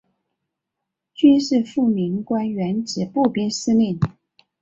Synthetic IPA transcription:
t͡ɕy˥nʂɻ̩˥˧fu˥˩mi˧˥ŋkwa˥nɥɛ˧˥nʈ͡ʂɻ̩˨˩pu˥˩pi˥ŋsɹ̩˥ni˥˩n

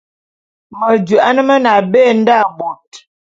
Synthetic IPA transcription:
mə˨d͡ʒu˨ʔa˦nə˦mə˦na˨be˦˨n̩˦da˦˨bo˨t̚

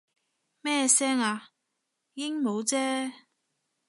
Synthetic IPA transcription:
mɛː˥sɛː˥ŋaː˧ | jɪ˥ŋmo˨˧wt͡sɛː˥

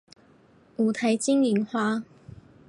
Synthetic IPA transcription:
uː˨˩t̪ʰa˨˥jt͡ɕi˥ŋji˨˥ŋxwaː˥

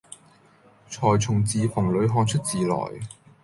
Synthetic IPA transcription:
t͡ʃʰɔː˨˩jt͡sʰʊ˨˩ŋt͡siː˨fʊ˨˩ŋlɵ˨˧ɥɦɔː˧nt͡ʃʰɵ˥t̚t͡siː˨lɔ̰ː˨˩j

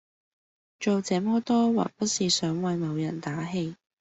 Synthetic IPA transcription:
t͡ʃo˨wt͡sɛː˨˥mɔː˨˥t̪ɔː˥wa̰ː˨˩k̚pɐ˥t̚siː˨˩sœː˨˥ŋwɐ˨˧jmɐ˨˧wjɐ˨˩nt̪aː˨˥ɦe˧j

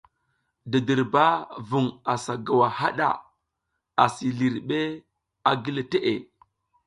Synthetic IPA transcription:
di˨di˨ɾba˦vu˨ŋa˨sa˨ɡa˨wa˨ha˦ɗa̰˨ | a˨si˨li˨ɾɓe˦ | a˨ɡi˦le˨te˦ʔe˨

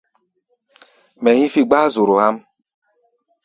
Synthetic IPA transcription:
me˨ɦi˦fi˦ɡ͡ba˦zʊ˨ɾo˨ha˦m̩˦

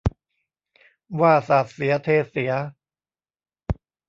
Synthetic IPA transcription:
waː˥˩sa˨˩t̪̚si˩˦ɐt̪ʰeː˧˩si˩˦ɐ

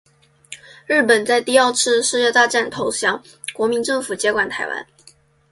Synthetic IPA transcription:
ɻ̩˥˩pə˨˩nt͡sa˥˧ɪt̪i˥˧ɑ˥˧ʊʈ͡ʂʰɻ̩˥˧ʂɻ̩˥˧t͡ɕjɛ˥˧t̪a˥˧ʈ͡ʂa˥˩nt̪ʰo˧˥ʊɕjɑ˧˥ŋ | kwɔ˧˥mi˧˥ŋʈ͡ʂɤ˥˩ŋfu˨˩t͡ɕjɛ˧˥kwa˨˩nt̪ʰa˧˥ɪwa̰˧˥n

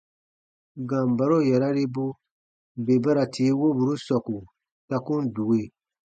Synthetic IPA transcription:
ɡã˨m˨ba˨ɾo˦˨jɛ˨ɾa˦ɾe˦bu˦ | be˨ba˦ɾa˨tʰiː˨˦wo˦bu˨ɾu˦sɔ˨ku˨ | sa˦kũ˦n˦du˨we˦˨

